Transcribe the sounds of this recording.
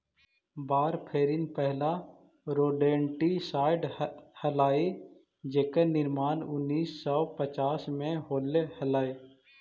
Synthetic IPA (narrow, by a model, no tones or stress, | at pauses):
baːɾpʰeːɾɪnpɛɦla | ɾoːɖẽːɳʈisaːɪɖhəlaːe | d͡ʒeːkənɪɾmaːnʊnːiːsːɔpət͡ʃaːsmẽɦoːlehɐlaːeː